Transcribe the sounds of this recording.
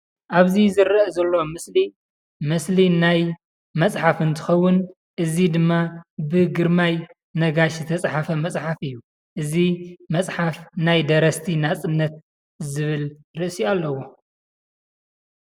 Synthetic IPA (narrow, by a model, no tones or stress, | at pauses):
ʔaβzizɨɾɐʔzɐlːo̞mɨsli | mɨslinaj | mɐt͡sʼħafɨnt̪ʰɨ̥xɐwːʊn | ʔɨzid̪ɨmːabɨɡɨɾmaj | nɐɡaʃzɨt̪ʰɐt͡sʼħafɐmɐt͡sʼħafɨjːu | ʔɨzimɐt͡sʼħafnajd̪ɐɾɐst̪ʰinat͡sʼɨnːɐt̪̚ | zɨβɨl | ɾɨʔsialːɐwo